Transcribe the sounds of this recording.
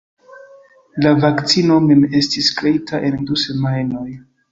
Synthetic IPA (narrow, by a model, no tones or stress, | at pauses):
lavakt͡sino̞me̞me̞stiskɾe̞itʰaʔe̞nduse̞majno̞j